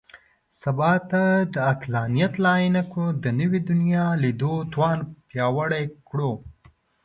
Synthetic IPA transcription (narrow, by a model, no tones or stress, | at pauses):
sabɑt̪ad̪əaklɑnijat̪lɑjinakɽod̪ənəwid̪ʊnjɑlid̪ot̪wɑnpjɑwəɽajkɽo